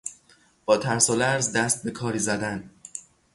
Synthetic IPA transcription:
b̥ɒːt̪ʰæɾsolæɾzd̪æst̪̚be̞kʰɒːɾiːzæd̪æn

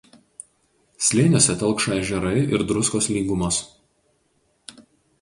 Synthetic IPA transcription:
sʲlʲeːnʲoːsʲɛt̪ɐlˠˑkʃɐɪʒʲɛɾɐɪɪɾd̪ɾʊskoːslʲiːɡʊmɐs

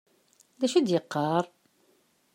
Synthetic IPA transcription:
ðæʃæd̪jəqːɑɾˤ

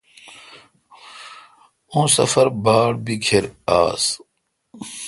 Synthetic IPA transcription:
õːsɐ̰fɐɾbaːɽbikʰeɾaːs

